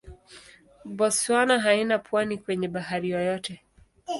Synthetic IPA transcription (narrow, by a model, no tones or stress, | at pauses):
bɔswanaɦainapwanikwɛɲɛɓaɦaɾijɔjɔtɛ